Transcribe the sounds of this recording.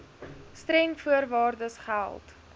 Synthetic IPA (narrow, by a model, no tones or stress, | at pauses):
stɾɛŋfuərvɑːrdəsχəæ̰æ̰lˠt